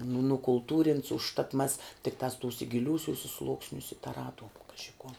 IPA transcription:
nʊ nʊkʊlˠˈtuːrʲɪnts ʊʃˈtɐt mɐs tʲɪkˈtɑːs ˈtuːsʲɛ ɡʲɪˈlʲuːsʲʊsʲɛ ˈslˠuːksʲnʲʊsʲɛ tɐˈrɑːduɔm ˈkɑːʒʲɪ kuɔ

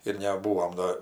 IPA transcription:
ɪr nʲɛˈbuːoːm ˈdoː

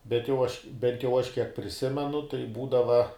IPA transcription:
bʲɛt jɛʊ ˈɐʃ bʲɛnt jɛʊ ˈɐʃ kʲiɛk pʲrʲɪˈsʲɪmʲɛnʊ tɐɪ ˈbuːdɐʋɐ

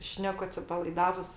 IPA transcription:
ˈʃʲnʲæːkʊ ɐtʲsʲɪpɐlˠɐɪˈdɑːʋʊs

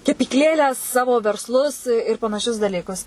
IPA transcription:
kʲɛpʲiːkˈlʲeːlʲæː ˈsɑːʋoː ʋʲɛrsˈlˠʊs ɪr pɐnɐˈʃʲʊs dɐˈlʲiːkʊs

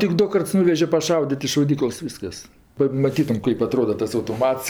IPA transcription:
tʲɪk ˈdʊ ˈkɐrts ˈnʊʋʲɛʒʲɛ pɐˈʃɐʊdʲɪtʲ ɪ ʃɐʊˈdʲiːklˠɐs ˈʋʲiːskɐs pɐmɐˈtʲiːtʊm ˈkɐɪp ɐˈtroːdɐ tɐs ɐʊtoːˈmɐts

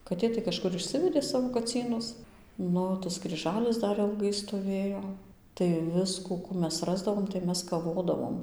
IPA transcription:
kɐˈtʲeː tɐɪ kɐʃˈkʊr ɪʃʲˈsʲɪʋʲɛdʲeː ˈsɑːʋoː kɐˈt͡sʲiːnʊs ˈnʊ tɐs krʲiːˈʒɑːlʲɪs ˈdɐr ɪlˠˈɡɐɪ stoːˈʋʲeːjoː tɐɪ ˈʋʲɪskuː ˈkuː ˈmʲɛs ˈrɑːzdɐʋoːm tɐɪ ˈmʲɛs kɐˈʋoːdɐʋoːm

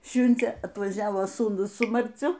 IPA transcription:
ˈʃʲʊnʲd͡zʲeː ɐtʋɐˈʒʲæːʋoː suːˈnʊs sʊ mɐrʲˈt͡sʲʊ

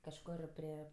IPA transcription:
kɐʃˈkoːr pʲrʲɪ

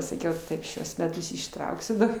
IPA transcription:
sɐˈkʲɛʊ ˈtɐɪp ˈʃʲuɔs mʲɛˈtʊs ɪʃˈtrɐʊksʲʊ dɐr

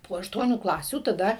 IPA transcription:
poː ɐʃˈtuɔnʲuː ˈklˠɑːsʲuː tɐˈdɐ

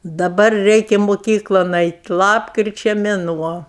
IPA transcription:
dɐˈbɐr ˈrʲɛɪkʲɛ moːˈkʲiːklˠoːn ˈɐɪtʲ ˈlˠɑːpkrʲɪt͡ʃʲɛ mʲɛˈnuɔ

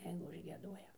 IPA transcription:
ˈjɛɪɡʊ ʊʒʲɡʲiɛˈduɔjɛ

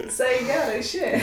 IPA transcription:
ʋʲɪˈsɐɪ ɪ ˈɡʲæːroː ɪʃʲˈeːjɛ

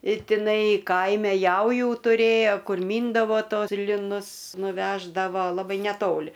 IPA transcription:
ɪ tʲɪˈnɐɪ ˈkɐɪmʲɛ ˈjɛʊjuː tʊˈrʲeːjoː ˈkʊr ˈmʲiːndɐʋoː ˈtoːs lʲɪˈnʊs nʊˈʋʲæːʒdɐʋoː lˠɐˈbɐɪ nʲɛˈtoːlʲɪ

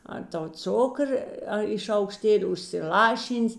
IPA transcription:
ˈɐr ˌtɐʊ ˈt͡sʊkrə ˈɐ ɪ ʃɐʊkˈʃʲtʲeːlʲɪ ʊʃʲsʲɪˈlˠɑːˌʃʲiːnʲsʲ

